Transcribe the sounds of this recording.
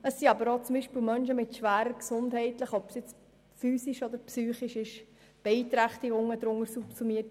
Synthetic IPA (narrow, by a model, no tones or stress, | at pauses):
əsːiɑbəɾoːt͡sʊmbiʃpiːlmœnʃəmɪtʃʋæːɾəɾksʊndhɛɪtləχɔpsjɛt͡s | fyːsiʃɔd̪əɾpsyːχiʃɪʃ | b̥ɛit̪ɾæχt̪ɪɡʊŋəd̪ɾʊŋəɾsupsumiət